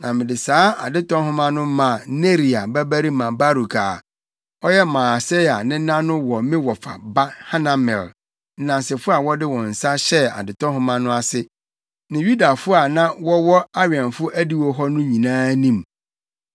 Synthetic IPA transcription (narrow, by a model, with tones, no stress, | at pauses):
nã˨mɪ̃˨dɪ˨saː˦a˨dɪ˦tɔ̃˦ɦʊ̃˦mã˦nʊ̃˦mã˨ne˦ɾi˨a˨bæ˦bæ˦ɾi˦mã˨ba˦ɾu˨kʰaː˨ | ɔ˦jɛ˦mãː˨sɛ˦ja˨nɪ̃˦nã˦nʊ̃˦wɔ˨mɪ̃˦wɔ˨fa̰˨ba˦ha˦nã˦mɛ̰˨l | n̩˦nã˨n˨sɪ˨fʊ˦a˨wɔ˦dɪ˦wɔ̃˨n̩˨sa˦ɕɛ˦a̰˨dɪ˨tɔ̃˦ɦʊ̃˦mã˦nʊ̃˦a˨sɪ˦ | nɪ̃˨ju˦da˨fʊ˦a˨nã˦wɔ˦wɔ˦a˦ɥɛ̃˨nfʊ˦ʔæ˦di˦wɔ˦ɦɔ˦nʊ̃˦ɲĩ˨nãː˦nĩ˦m